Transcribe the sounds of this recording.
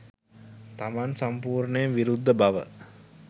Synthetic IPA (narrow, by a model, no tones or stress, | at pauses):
t̪amansampuːɾɳəjemʋiɾud̪ʱːəbaʋə̰